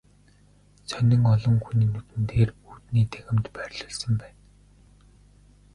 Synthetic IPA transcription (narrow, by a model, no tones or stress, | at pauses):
t͡sʰœnʲɪ̆ŋɔɮɞ̆ŋxuniːnːut̪ɘ̆nt̪eːruːt̪niːt̪ʰæxʲɪ̆mt̪pærʲɮə̆ɮsə̆mpæːn